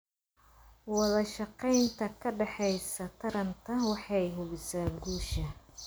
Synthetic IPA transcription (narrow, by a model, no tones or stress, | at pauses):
wɑðɐʃɑqɛjnt̪ʰɐkʰɐɖɑħɛjsɐt̪ʰɐɾɐnt̪ʰɐwɑħɑjɦʊβɪsaːɡuːʃɐ